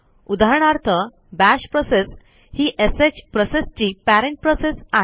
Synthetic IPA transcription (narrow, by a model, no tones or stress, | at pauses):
ud̪ʱaɾɳ̃aɾt̪ʰə | bæɕpɾɔses | hiːʔeset͡ɕpɾɔsest͡ɕiːpæɾẽɳʈ̚pɾɔsesaɦe